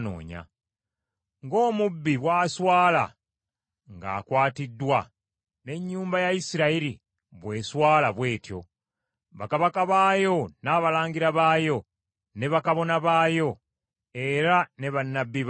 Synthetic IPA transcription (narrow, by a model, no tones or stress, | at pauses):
no̰ːɲa̰ | ŋɡo̞ːmubːiβwaːswaːla̰ | ŋɡa̰ːkwaːtidːwa | ne̞ɲːuːmbajaisiɾaiɾi | βwe̞ːswaːlaβwe̞ːtjo̞̰ | βakaβakaβaːjo̞naːβalaːɲɡiɾaβaːjo̞ | ne̞βakaβo̞naβaːjo̞ | e̞ɾane̞βanːabːiβ